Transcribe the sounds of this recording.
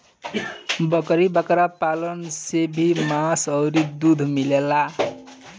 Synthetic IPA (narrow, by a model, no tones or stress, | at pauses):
bʌkʌɾibʌkɾapalʌnsebʱimasʌwɾid̪ud̪ʱmilela